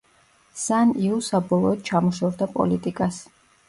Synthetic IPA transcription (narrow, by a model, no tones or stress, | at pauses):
saniusabɔlˠɔɔd̪̥̚t͡ʃʰamɔʃɔvd̪apʼɔ̰lit̪ʼikʼas